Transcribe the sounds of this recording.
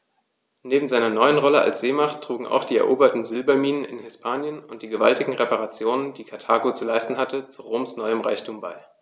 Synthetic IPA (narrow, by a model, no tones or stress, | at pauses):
neːbm̩zaɪnɐnɔʏənʁɔləʔa̰lsz̥eːmaχtʰːʁ̥uːɡŋ̩a̰ʊxd̥iːɛɐʔoːbɐtn̩zɪlbɐmiːnənɪ̰nhɪspʰaːnjənʊnt̚d̥iːɡəva̰ltɪɡŋ̩ʁepaʁat͡sjoːnəndiːkʰatʰaːɡot͡sulaɪstn̩ɦatət͡suʁoːmsnɔʏəmʁa̰ɪçtʰuːmba̰ɪ